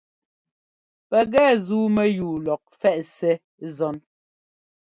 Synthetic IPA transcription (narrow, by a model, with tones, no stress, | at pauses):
pɛ˨ɣɛː˦˨zuː˦mɛ˦juː˨lɔ˨k̚fɛ˦˨ʔsɛ˦ | zɔ˦n